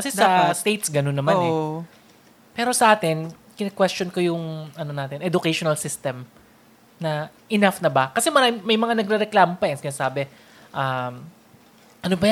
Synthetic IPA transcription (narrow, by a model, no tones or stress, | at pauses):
kɐsɛsɐst̪ejt̪sɡɐnonːɐmanɛ | pɛːɾo̞sɐʔaːt̪ɪnkɪnɐkwɛst͡ʃonkojʊŋɐno̞naːt̪ɪnʔɛd̪ʊkejʃonɐlsɪst̪ɛm | nɐʔɪnafnɐbɐkɐsɛmɐɾamɐjmɐŋanɐɡ̚ɾɛɾɛklaːmopɐɛnsɪnasaːbɛ | ʔam | ʔɐnobɐja